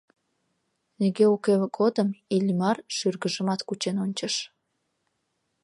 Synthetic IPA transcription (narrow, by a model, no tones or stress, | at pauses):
neɡeukeɡod̪əmilʲmɑrʃyrɡəʒəmɑt̪kut͡ɕenonʲt͡ɕəʃ